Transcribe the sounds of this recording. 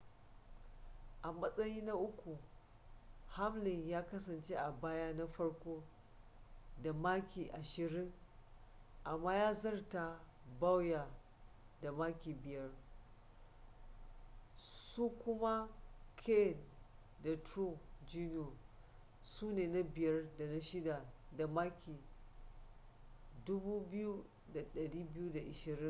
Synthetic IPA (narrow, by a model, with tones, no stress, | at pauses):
ʔa˨mɐ˦sʼɐ˦jiː˦na˦ʔʊ˦kʷu˨ | ha˦mlɪ˨ŋjaː˦kɐ˦sɐ˨nt͡ʃe˦ʔa˨baː˦ja˦na˦ɸɐ˦ɽkʷoː˦ | da˨maː˦kʲiː˨ʔa˨ʃɪ˨ɾɪ˦ŋ | ʔa˨mːaː˦jaː˦zɐ˦rta˨ | ba˦wja˨ | da˨maː˦kʲiː˨bɪ˨jɐ˦r | su˦kʷʊ˦ma˦kʰe˦˨n | da˨tɾo˦˨d͡ʒi˦no˨ | suː˦neː˨na˦bɪ˨jɐ˦rda˨na˦ʃɪ˦da˨da˨maː˦kʲʰi˨ | dʊ˦buː˦bɪ˦ju˦ | da˨ɗɐ˨ɽiː˦bɪ˦ju˦da˨ʔɪ˨ʃɪ˨ɾɪ˦ŋ